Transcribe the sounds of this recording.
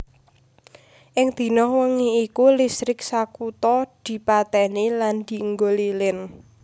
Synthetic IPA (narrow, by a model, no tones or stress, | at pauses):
ʔɪŋd̪̥i̤nɔhwəŋiikulisɾɪk̚sakut̪ɔd̪̥i̤pat̪ɛniland̪̥i̤əŋɡolilɪn